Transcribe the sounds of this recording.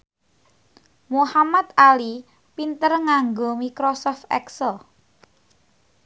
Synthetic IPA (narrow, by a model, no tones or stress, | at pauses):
muhamat̪̚ali | pint̪ərŋaŋɡomikɾɔsɔft̪ɛ̰ksəl